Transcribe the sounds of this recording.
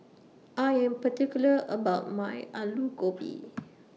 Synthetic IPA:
ʔajɛ̃mpətikjuləʔəbaʊt̚majalukopḭ

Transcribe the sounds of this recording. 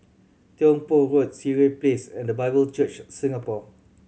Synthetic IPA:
tiɔ̃ŋpoɹot̚siɹeplesɛ̃ndəbaɪbəlt͡ʃət͡ʃsĩŋapɔ

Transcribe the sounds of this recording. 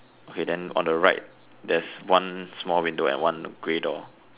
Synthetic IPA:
ʔokʰedɛ̃nɔ̰̃ndəɹaɪt̚ | dɛswãnsmɔlwĩndoɛ̰̃nwãnɡ̥ɹedɔ

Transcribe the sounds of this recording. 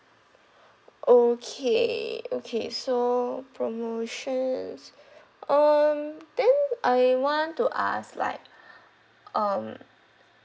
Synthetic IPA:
ʔokʰeokʰḛsopʰɹomoʃə̃ns | ʔʌmd̥ɛ̃nʔajwɔ̃ntuʔa̰sla̰ɪk̚ | ʔʌ̃m

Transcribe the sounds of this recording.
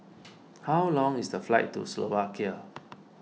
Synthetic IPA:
hawlɔ̃ŋisdəflaɪtːṵslovakiə

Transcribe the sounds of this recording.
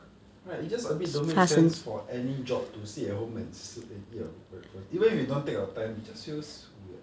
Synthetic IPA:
ɹaid͡ʒasəbidõmĩst͡ʃɛə̃nsfɔʔɛnid͡ʒɔp̚tusiəɦõmə̃nsaɛfɔivə̃nifwidõntekawətãɪ̃mwid͡ʒasfis | wi

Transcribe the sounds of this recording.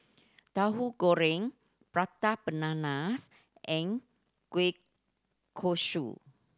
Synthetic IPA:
t̪aɦuɡoɾɪŋ | pɾat̪ab̥ənanas | ʔɪŋ | kuɪkʰː | oʃṵ

